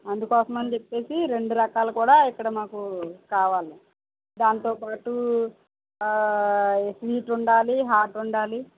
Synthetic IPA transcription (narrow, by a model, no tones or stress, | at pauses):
ɐnd̪ukɔːsɐmɐndit͡ʃepːe̞ːsiɾe̞ɳɖuɾɐkaːlɐkuːɽaːikːɐɽɐmaːkukaːʋaːli | d̪aːnt̪oːpaːʈu | sʋiːʈuɳɖaːliɦaːʈuɳɖaːli